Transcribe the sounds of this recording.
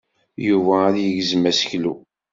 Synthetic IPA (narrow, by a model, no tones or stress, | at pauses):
juvæɾjəɡzmæsə̥çlu